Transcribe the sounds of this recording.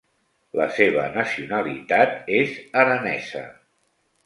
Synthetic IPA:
lə̰seβ̞ənəsiunəlit̪at̪̚ezəɾənɛzə̰

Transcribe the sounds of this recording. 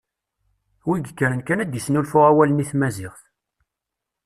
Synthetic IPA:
wiɡəkːəɾənkænæd̪jəsnulfʊʁæwæləniθmæzɪʁθ

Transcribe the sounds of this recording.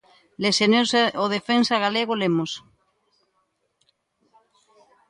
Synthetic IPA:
lesenewsoðefensaɣaleɣolemos

